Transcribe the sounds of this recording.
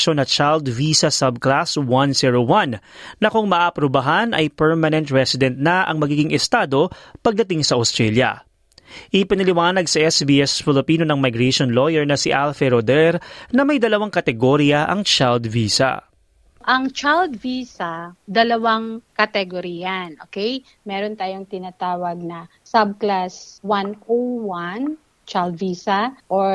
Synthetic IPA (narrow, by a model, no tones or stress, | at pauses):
ʃonɐt͡ʃald̪viːsɐsɐb̚klaswɐnsiɹowɐnːɐkʊŋmɐʔaːʔɐpɾobɐɦanʔɐ̰jpɛɹmɐnɛnt̪ɹɛsɪd̪ɛnt̪̚nɐʔɐ̰ŋmɐɡiːɡɪŋʔɛst̪aːd̪o̞pɐɡ̚d̪ɐt̪ɪŋsɐʔɐst̪ɾɛljɐ̰ | ʔɪpɪnɐlɪwaːnɐɡsɐʔɛsbiɛsfɪlɪpiːno̞nɐŋmɐjɡɾɛʃonlojɛɹnɐsɪʔalfɛɾod̪ɛɾnɐmɐjd̪ɐlɐwaŋkɐt̪ɛɡoɾɪɐʔɐŋt͡ʃald̪viːsɐ̰ | ʔɐŋt͡ʃald̪viːsɐd̪ɐlɐwaŋkɐt̪ɛɡoɾijɐnʔo̰ːkɛj | mɛɾont̪aːjoŋt̪ɪnat̪aːwɐɡ̚nɐsab̚klaswanowan | t͡ʃald̪viːsɐʔo